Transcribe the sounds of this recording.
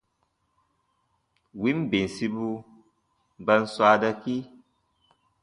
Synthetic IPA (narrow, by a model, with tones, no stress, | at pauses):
wi˦mbe˨n˨si˦bu˦ | ba˦nswa˦da˦ki˦